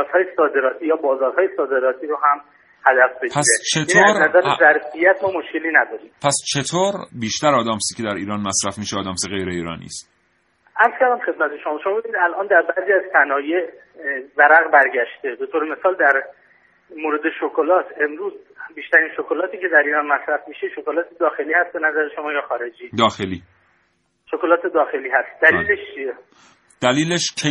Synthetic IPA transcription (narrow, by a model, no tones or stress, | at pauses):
zhɒːjesɒːd̪e̞ɾɒːt̪ʰiːjɒːbɒːzɒːɾɦɒːjesɒːd̪e̞ɾɒːt̪ʰiːɾoɦæm | hæd̪æfbedpʰæset͡ʃʰetinʰioːæːɾnæzæɾzæɾfijæt̪ʰmɒːmoʃce̞liːnæd̪ɒːɾiːmpʰæst͡ʃʰe̞t̪ʰoːɾbiːʃt̪æɾɒːd̪æːmsicʰʲed̪æɾiːɾɒːnmæsɾæfmiːʃeːd̪æːmseɣe̞jɾeiːɾɒ̰ːnḭːst̪ | ʔæɾz̥kæɾd̪æmχe̞d̪̚mæt̪ʰe̞ʃomɒːʃomɒːbebinid̪ælʔɒːnd̪æɾbæziːæz̥sænɒːjeʔ | væɾæɣbæɾɟæʃt̪ed̪o̞t̪ʰoːɾeme̞sɒːld̪æɾ | moːɾe̞d̪e̞ʃokʰolɒːt̪ʰe̞mɾuːz | biːʃt̪æɾiːnʃokʰolɒːt̪ʰiːcʰe̞d̪æɾiːɾɒːnmæsɾæfmiːʃeʃokolɒːt̪ʰed̪ɒːxe̞liːhæst̪be̞næzæɾeʃomɒːjɒːxɒːɾe̞d͡ʒiːd̪ɒːxeliː | ʃokolɒːt̪ʰe̞d̪ɒːxe̞liːhæst̪̚d̪̥æliːleʃt͡ʃʰie | d̪̥æliːleʃcʰe